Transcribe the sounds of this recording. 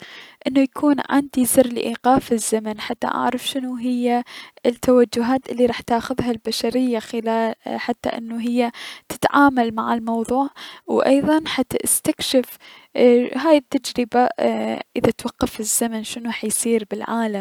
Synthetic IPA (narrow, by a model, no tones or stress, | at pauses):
ʔɪnːujakʰuːnʕa̰nd̪izɨrlɪ̰ʔiːqɑːfɪzːamanħat̪ːa̰ʔa̰ʕɾˤɑfʃɪnuɦɪjːat̪ːawad͡ʒːʊɦaːt̪ʔɪlːiɾˤɑːħt̪aːxʊðɦalbaʃaɾɪjːaxɪlaːħat̪ːa̰ʔɪ̰nːuɦɪjːat̪ɪ̥t̪ʕaːmalmaʕɪlmɑwðˤuːʕwʔɑ̰jðˤɑnħat̪ːaʔɪst̪akʃɪf | ɦaːjɪt̪ːad͡ʒɾɪbaʔɪðat̪wɑqːɑfɪzːamanʃɪnħajsiːɾbɪlʕaːlam